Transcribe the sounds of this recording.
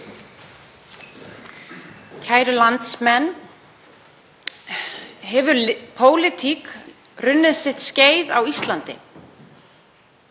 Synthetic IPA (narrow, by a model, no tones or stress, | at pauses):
cʰaːjɾʏlant̪smɛnː | ɦɛvʏɾlpʰoːwlɪt̪ʰik | rʏnːɪðsɪht̪sceːjðawist̪lant̪ɪ̰